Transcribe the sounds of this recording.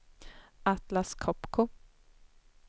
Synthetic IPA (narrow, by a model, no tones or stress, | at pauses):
at̪laskʰɔpkʰʊ